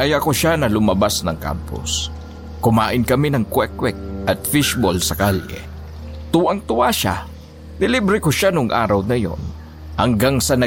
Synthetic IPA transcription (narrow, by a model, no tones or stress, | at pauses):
ʔɐjɐkoʃanɐlʊmɐbasnɐŋka̰mpʊ̰s | kʊmaːʔɪnkɐminɐŋkwɛkwɛk̚ʔɐt̪̚fɪʃbolsɐkalɛ̰ | t̪uːʔɐŋt̪ʊwaʃa̰ | nɪlibɾɪkoʃanʊŋʔa̰ːɾɐwnɐjo̞̰n | hɐŋɡaŋsɐnɐ